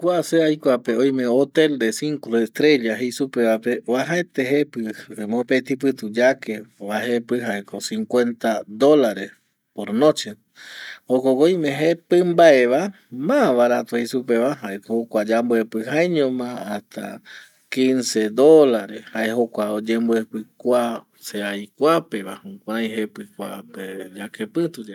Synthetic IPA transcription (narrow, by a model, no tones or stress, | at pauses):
kʷuaseajkʷapeõjmẽot̪e̞ld̪esiŋkoɾest̪ɾe̞ʎaɦejsupe̞βape̞oaɦaet̪eɦepɨmõpet̪ip̬ɨt̪ud͡ʒakeβaɦepɨɦaekosĩŋkwe̞nt̪ad̪o̞laɾes | poɾnõt͡ʃe | okokoj̃mẽɦepɨ̃mbae̞βa | mãβaɾat̪ohisupeʋaɦaekohokʷad͡ʒambuepɨɦajɲõmãat̪ʰa̰ | kĩnse̞d̪olaɾeshaeɦokʷaod͡ʒembuepɨkʷa | seajkʷape̞ʋahũkʷaɾãj̃ɦepɨkʷaped͡ʒakepɨt̪ud͡ʒa